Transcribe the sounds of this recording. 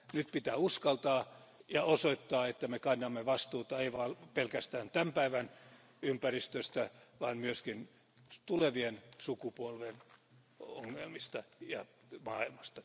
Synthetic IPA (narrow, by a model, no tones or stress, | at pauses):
nyt̪pit̪æːuskɑlt̪ɑː | jɑosoit̪ːɑːet̪ːæmekɑnːɑmːeʋɑst̪uːt̪ɑeiʋɑlpelkæst̪æːnt̪æmpæiʋæn | ympærist̪øst̪æʋɑːnmyøskin | t̪uleʋiensukupuolʋen | oŋːelmist̪ɑjɑ | mɑːilmɑst̪ɑ